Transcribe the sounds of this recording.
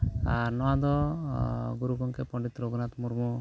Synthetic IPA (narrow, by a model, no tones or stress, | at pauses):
aɾnɔwãd̪ɔ | ɡuɾuɡɔŋkɛpɔ̃ɳɖit̪ɾoɡnat̪muɾmɔ